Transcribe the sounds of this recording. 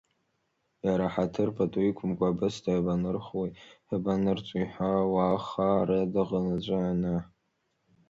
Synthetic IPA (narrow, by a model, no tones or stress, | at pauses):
jaɾaħatʰɨrpʰatʼuikʷʰʊmkʷʼaːbɨsdʰabanɨrχwejħabanɨrt͡ʃʷʼʊiħʷawaːχaɾadɨʁənad͡ʒʷʼaana